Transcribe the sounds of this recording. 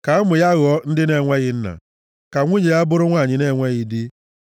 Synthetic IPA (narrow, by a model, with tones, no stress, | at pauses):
ka˨˦mʊ˨ja˦ɣɔ˦n̩˦dɪ˦ne˦˨ŋʷe˦ɣɪ˨n̩˦na̰˨ | ka˨ŋʷu˦ɲe˨ja˦bʊ˦ɾʊ˦ŋʷa˦˨ɲɪ˨˦ne˦˨ŋʷe˦ɣɪ˨dɪ˦